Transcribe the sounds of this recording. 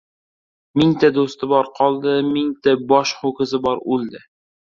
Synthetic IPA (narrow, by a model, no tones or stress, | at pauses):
miŋt̪æd̪ost̪əbɒɾqʰɒlˠd̪ɤmiŋt̪æbɒʃχʊkə̆zɘbɒɾʉld̪ɪ